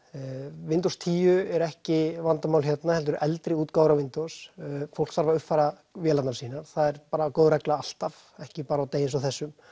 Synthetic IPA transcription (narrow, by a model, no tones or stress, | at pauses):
vɪnt̪owst̪ʰiːjʏɛɾɛhcɪvant̪amawlçjɛt̪nahɛlt̪ʏɾɛlt̪ɾɪuːt̪kaːwɾawvɪnt̪osfowl̥sθaɾvaʏhpfajɾa | vjɛːlat̪nasiːnaɾ̥θaðɛɾpaːɾakoːwðrɛklaal̥t̪av | ɛhcɪpaːɾaːwt̪eːjɪnsawθɛsːʏm